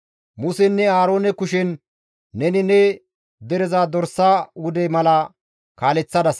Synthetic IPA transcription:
mʊsɛnːɛaːɾo̞ːnɛkʊʃɛnː | ɛnɪnɛ | d̪ɛɾɛzaːd̪ɔɾsːaːwʊd̪ɛjmɐlɐ | kaːlɛt͡sːɐd̪ɐs

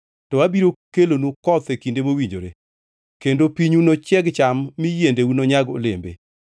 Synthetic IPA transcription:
tɔwabiɾokelonukɔt̪ekindemowiɲd͡ʒo̰ɾe | kendopiɲunot͡ʃjɛɡt͡ʃamːijendeunoɲaɡo̰lembḛ

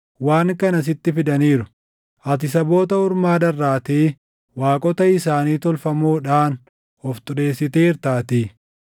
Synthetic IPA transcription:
waːŋkɐnɐs̬ɪt̪ːɪfɪd̪ɐniːɾʊ | ʔɐt̪̬ɪsɐbo̞ːt̪ɐʊɾmaːd̪ɐrːaːt̪eː | waːkʼɔt̪ɐɪsaːniːt̪ɔlfɐmoːᶑaːn | ɔft̪ʼʊɾe̞ːsːɪt̪eːɪɾt̪aːt̪iː

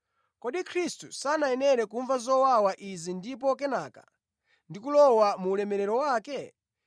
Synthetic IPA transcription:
kɔɗikʰɾistusanajɛnɛɾɛkuɱvazɔwawaʔizindip̬ɔkɛnaːkḁ̰ | ndikulɔwamuːlɛmɛɾɛɾɔwaːkɛ

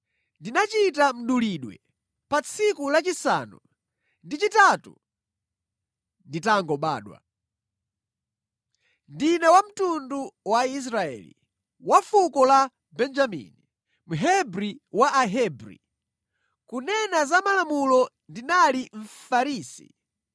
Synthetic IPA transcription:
ndinat͡ʃitam̩ɗuliɗwɛ̰ | pat͡sʰikulat͡ʃisa̰ːnṵ | ndit͡ʃitatṵ | nditaŋɡɔɓa̰ːɗwa̰ | ndinɛwam̩tunduwais̬ɾaɛ̰lḭ | wafukɔla | bɛnd͡ʒamḭni | m̩ɦɛbɾiwaʔaɦɛbɾḭ | kunɛnazamalamulɔ | ndinaliɱ̩faɾiːsḭ

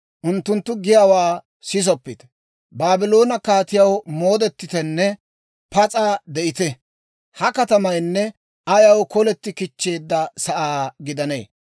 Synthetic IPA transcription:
ʔʊnt̪ːʊnt̪ːʊɡɪjaːwaː | sɪs̬ɔpːɪt̪ | baːbɪlo̞ːnɐkaːt̪ɪjɐwmo̞ːd̪ɛt̪ːɪt̪ɛnːɛ | pɐt͡sʼaːd̪ɛʔɪt̪ɛ | hɐkɐt̪ɐmɐjnːɛ | ʔɐjɐwkɔlɛt̪ːɪkɪt͡ʃːe̞ːd̪ːɐsɐʔaːɡɪd̪ɐne̞̰ː

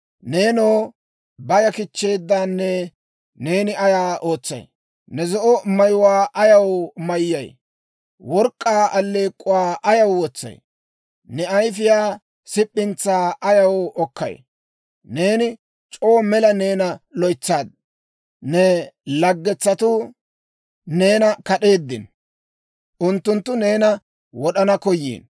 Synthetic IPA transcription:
ne̞ːnoː | bɐjɐkɪt͡ʃːe̞ːd̪ːaːnːɛ | ne̞ːnɪɐjaːʔo̞ːt͡sːɐ̰j | nɛzɔʔɔmɐjʊwaːʔɐjɐwmɐjːɐj | wɔɾkʼːaːʔɐlːeːkʼːʊwaːʔɐjɐwwɔt͡sːɐ̰j | nɛɐjfɪjaː | sɪpʼːɪnt͡sːaːʔɐjɐwɔkːɐ̰j | ne̞ːnɪ | t͡ʃʼo̞ːmɛlɐne̞ːnɐlɔjt͡sːaːd̪̚ | nɛlɐɡːɛt͡sːɐt̪ʊ | ne̞ːnɐkɐɗe̞ːd̪ːɪ̰n | ʔʊnt̪ːʊnt̪ːʊne̞ːnɐ | wɔɗɐnɐkɔjːḭːn

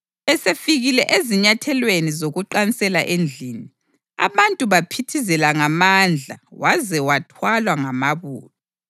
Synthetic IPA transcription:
ɛsefiɣilɛʔeziɲatʰɛlwenizoɣuǃanisɛla̰ʔend͡ɮʱini | a̰βantʼuβapʰitʰizɛlaŋamand͡ɮʱa̰wazɛwatʰwalwaŋamaβṵːlɔ

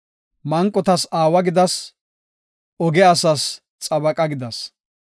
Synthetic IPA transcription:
mɐŋkʼːɔt̪ɐsaːwɐɡɪd̪ɐs | ʔɔɡɛɐsɐs | t͡sʼɐbɐkʼɐɡɪd̪ɐs

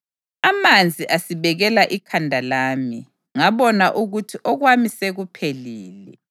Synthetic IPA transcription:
amand͡zʱiʔasiβɛɣɛlaʔikʰandʱalaːmi | ŋaβɔnaʔuɣutʰiʔɔɣwamiseɣupʰeliːlɛ

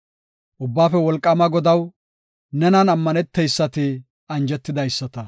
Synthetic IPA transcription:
ʔʊbːaːfɛwɔlkʼːɐmɐɡɔd̪ɐw | nɛnɐnɐmːɐnɛt̪ːɛjsːɐt̪ɪ | ɐnd͡ʒɛt̪ːɪd̪ɐjsːɐt̪ɐ

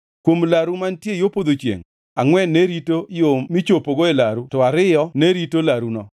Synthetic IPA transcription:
kwomlaɾumantjejopod̪ot͡ʃjḛŋ | aŋwɛneɾitojomit͡ʃopoɡoelaɾutɔaɾɪjɔneɾitolaɾunɔ

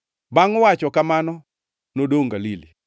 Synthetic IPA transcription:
baŋwat͡ʃɔkamanɔ | nodoŋɡalili

